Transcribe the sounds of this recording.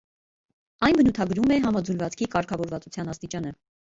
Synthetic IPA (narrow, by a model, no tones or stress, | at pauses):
ɑjnbənut̪ʰɑɡɾumɛɦɑmɑd͡zulvɑt͡skʰikɑɾkʰɑvɔɾvɑt͡sut͡sʰjɑnɑst̪it͡ʃɑnə